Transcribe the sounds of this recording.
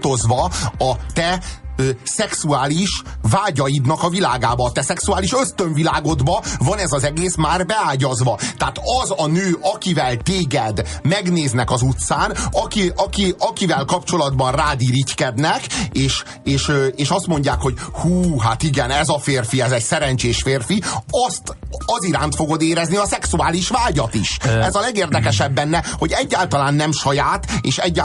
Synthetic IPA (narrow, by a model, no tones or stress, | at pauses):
t̪o̞zʋɒɒt̪ɛøːsɛksuaːliʃ | vaːɟɒjid̪nɒkɒvilaːɡaːbɒːt̪ɛsɛksuaːliʃø̞st̪øɱvilaːɡo̞d̪bɒvɒnɛzɒzɛɡeːsmaːrbɛaːɟɒzʋɒt̪ɛaːt̪ɒzɒnøːʔɒkivɛlt̪eːɡɛd̪mɛɡneːznɛkɒzut̪saːnɒkiɒkiɒkivɛlkɒpt͡ʃo̞lɒd̪bɒnraːd̪iːɾit͡ʃkɛd̪nɛkeːʃ | eːʃøeːʃɒst̪mo̞ɲɟaːkho̞ɟhuːɦat̪iɡɛnɛzɒfeːrfiɛzɛcsɛɾɛɲt͡ʃeːʃfeːrfiɒst̪ | ɒziɾaːnt̪fo̞ɡo̞d̪eːɾɛzniɒsɛksuaːliʃʋaːɟɒt̪iʃɛzɒlɛɡeːrd̪ɛkɛʃɛbːɛnːɛho̞ɟɛɟːaːlt̪ɒlaːnːɛmʃɒjaːt̪eːʃɛɟːa